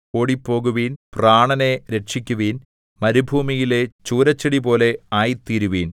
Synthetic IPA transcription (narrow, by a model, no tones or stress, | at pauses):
koːɽipːo̞ːɣuʋiːnpraːɳɐneɾe̞ʈʂikʲːuʋiːn | mɐɾubʱuːmijile̞t͡ɕuːɾɐt͡ɕːɐɽipo̞ːle̞aːjt̪iɾuʋiːn